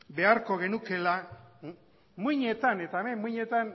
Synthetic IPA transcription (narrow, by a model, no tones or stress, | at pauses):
be̞aɾko̞ɣe̞nuke̞la | muɲe̞t̪ane̞t̪amemuɲe̞t̪an